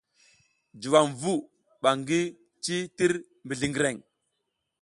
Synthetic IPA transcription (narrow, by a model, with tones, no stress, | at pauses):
d͡ʒi˨wa˨mvu˦ | ɓa˨ŋɡi˦ | t͡ʃi˦ti˦ɾ | mbi˨ɮi˨ŋɡi˨ɾe˨ŋ